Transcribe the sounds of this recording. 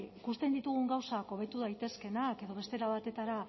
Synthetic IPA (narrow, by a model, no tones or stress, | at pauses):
ikust̪e̞nd̪it̪uɣ̞uŋɡawsako̞β̞e̞t̪uðajt̪e̞ske̞nake̞ðo̞βe̞st̪e̞ɾaβat̪e̞t̪aɾa